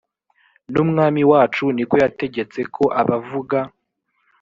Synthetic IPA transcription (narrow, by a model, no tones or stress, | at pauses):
numŋaːmiwaːt͡ʃuniko̞jate̞ɟe̞t͡se̞kʰo̞ʔaβavuɡa